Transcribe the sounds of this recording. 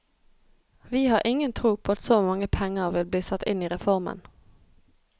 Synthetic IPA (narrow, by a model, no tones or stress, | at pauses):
ʋiːhɑːʁʔɪŋənt̪ʰʁuːpʰoːɑt̪soːmɑŋəpʰɛŋəʁʋɪlb̪iːsɑt̪ɪniːʁɛfɔʁmə̰n